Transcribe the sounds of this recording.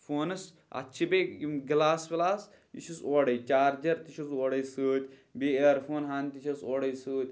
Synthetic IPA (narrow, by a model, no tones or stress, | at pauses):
foːnɐs | ɐ̰tːt͡ʃʰibeɡlaːsbʲlaːs | ḭt͡ʃʰusoːɽɐjt͡ʃaːɾd͡ʒɐɾt̪it͡ʃʰusoːɽɐjsɨːt̪ʲbeeɾfʰoːnɦaːnt̪it͡ʃʰɐsoːɽɐjsɨːt̪ʲ